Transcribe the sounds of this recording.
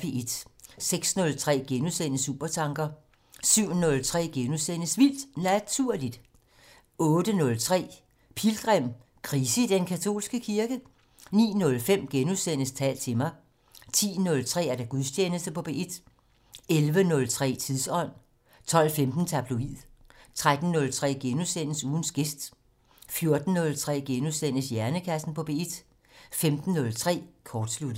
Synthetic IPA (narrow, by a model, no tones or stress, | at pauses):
b̥e̝e̝d̥seɡ̥snɔ̽lt͡sʰʁɛ̰ːɡ̥enusenəsṵːb̥ɐt͡sʰɑ̈ŋɡ̥ɐ | syʊ̰nɔ̽lt͡sʰʁɛ̰ːɡ̥enuðˠsenəsʋil̰d̥næt͡sʰuɐ̰lid̥ | ɔ̽ːd̥ənɔ̽lt͡sʰʁɛ̰ː | pʰilɡ̥ʁɛm̰ | kʰʁisəid̥enkʰæt͡sʰo̝̰ːlsɡ̥əkʰiɐɡ̥ə | nḭːnɔ̽lfem̰ɡ̥enuðˠsen̰əst͡sʰɛ̰ːlt͡sʰe̝mɑ̈ɪ | t͡sʰḭːnɔ̽lt͡sʰʁɛ̰ːæɐɾ̥aɡ̥uðˠst͡ɕʰjeːnəsd̥əpʰɒ̽b̥e̝ʔid̥ | elʋənɔ̽lt͡sʰʁɛ̰ːt͡sʰiðˠsɒ̽n̰ | t͡sʰɒ̽l̰femd̥n̩t͡sʰæb̥luið̰ˠt͡sʰʁad̥n̩ːɔ̽lt͡sʰʁɛ̰ːɡ̥enusen̰əsuːn̩sɡ̥e̝sd̥ | fjo̝ɐd̥n̩ːɔ̽lt͡sʰʁɛ̰ːɡ̥enusen̰əsjæɐnəkʰæsn̩pʰɒ̽b̥e̝id̥ | femd̥n̩ːɔ̽lt͡sʰʁɛ̰ːkʰɒːd̥slud̥